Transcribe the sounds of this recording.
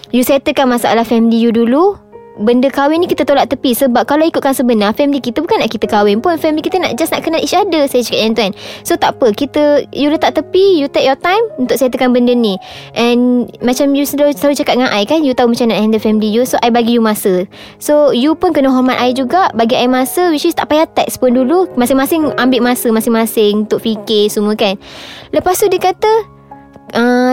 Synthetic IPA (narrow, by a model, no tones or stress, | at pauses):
jusəat̪əkanmasaʔa̰lahfɛmilijudulu | bəndəkawɪnikit̪ət̪olaʔt̪əpisəbap̚kalawikʊt̪̚kansəbənarfɛmilikit̪əbukanːaʔkit̪əkawɪŋpʊnfɛmilikit̪əna̰ʔd͡ʒasnaʔkənalisadəsajət͡ʃakat̪̚jant̪uansot̪apəkit̪əjulət̪aʔt̪əpijut̪ɛk̚jɔt̪ajmunt̪ʊkʔsəat̪əkanbəndəni | ʔɛ̃nmat͡ʃamjust̪aut͡ʃakat̪̚ŋanʔajkanjut̪aumat͡ʃamnaaɛndəfɛmilijusoʔajbaɡijumasə | sojupʊnkənəɦɔrmat̪aɪd͡ʒuɡaʔbaɡiaimasəwit͡ʃist̪a̰ʔpajat̪ɛkspʊndulumasɪŋmasɪŋambɪʔmasəmasɪŋmasɪŋunt̪ʊʔfikesuməkanləpast̪udiəkat̪ə | ʔə̃